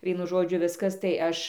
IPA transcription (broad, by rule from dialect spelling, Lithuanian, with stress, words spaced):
ˈʋʲiɛnʊ ˈʒoːd͡ʒʲʊ ˈʋʲɪskɐs tɐɪ ˈɐʃ